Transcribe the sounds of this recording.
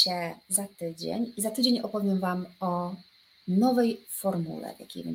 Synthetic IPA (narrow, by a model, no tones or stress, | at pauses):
ɛzat̪ɘd͡ʑḛɲizat̪ɘd͡ʑeɲɔpɔvʲjɛmvamɔ | nɔvɛjfɔɾmṵlɛ̰vja̰kʲḛjbɛ̰